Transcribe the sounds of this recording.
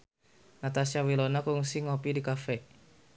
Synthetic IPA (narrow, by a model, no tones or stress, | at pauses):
nat̪asiawilonakɔŋusiŋɔpidikafɛ